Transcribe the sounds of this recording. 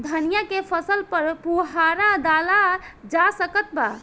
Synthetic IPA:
d̪ʱənijakepʰəsəlpəɾpuɦaɾad̪alad͡ʒasəkət̪̚ba̰

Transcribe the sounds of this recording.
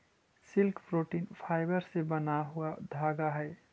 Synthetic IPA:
silkpɾoʈinpʰaɪbəɾsebənaɦuad̪ʱaɡaɦəɪ

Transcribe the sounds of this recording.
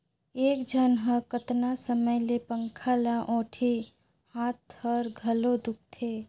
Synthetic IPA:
eːkd͡ʒʱənɦəɾkət̪nasəməjlepəŋkʰalaʔõːʈʰi | haːt̪həɾɡʱəlod̪ʊk̚t̪ʰe

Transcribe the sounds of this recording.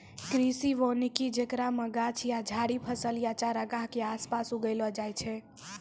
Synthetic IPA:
kɾisiʋonikid͡ʒekɾaməɡat͡ʃʰijad͡ʒʱaɽipʰəsəljat͡ʃaɾəɡaɦkeaspasuɡəlɔd͡ʒajt͡ʃʰɛ

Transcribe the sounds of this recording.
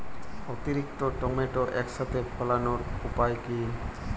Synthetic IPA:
ot̪iɾik̚t̪oʈɔmeʈoʔɛkʃat̪ʰepʰəlanoɾupajki

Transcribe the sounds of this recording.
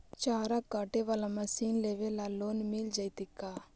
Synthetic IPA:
t͡ʃaːɾakaʈeʋɐlɐmɐsiːnleʋelalːoːnimiːld͡ʒɐjt̪ikːa

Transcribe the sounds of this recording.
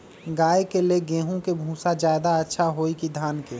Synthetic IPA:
ɡaːjkeleɡẽːɦũkebʱũːsad͡ʒjaːd̪aətːʃʰaɦoːikid̪ʱaːnkeː

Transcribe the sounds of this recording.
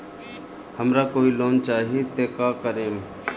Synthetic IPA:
həmɾakoːiloːnt͡ʃaːɦiet̪eːkaːkəɾẽːm

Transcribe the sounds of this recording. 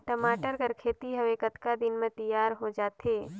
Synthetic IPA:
ʈɐmaːʈəɾkəɾkʰeːt̪iɦɐʋekət̪kad̪ɪnmẽt̪ɐjaːɾɦod͡ʒaːt̪eː

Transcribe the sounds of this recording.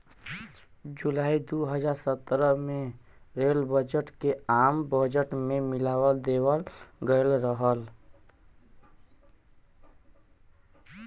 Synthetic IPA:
d͡ʒulaːid̪uɦəd͡ʒaɾsət̪ːɾəme | ɾelbəd͡ʒəʈkeambəd͡ʒəʈmemilawəld̪ewəlɡəlɾəɦəl

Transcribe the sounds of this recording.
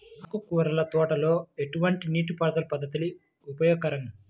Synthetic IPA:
ɐkukuːɾɐlɐt̪ɔːʈɐlo̞ːeʈuʋɐɳʈiniːʈupɐɾd̪ɐlupɐd̪ːɐt̪uli | upɐjoːɡ̚kːɐɾɐŋ

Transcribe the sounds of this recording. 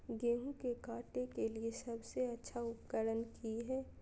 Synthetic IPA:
ɡeːɦũkekaːʈekeliesɐbseɐtːʃʰaʊpɡəɾənkiɦɛː

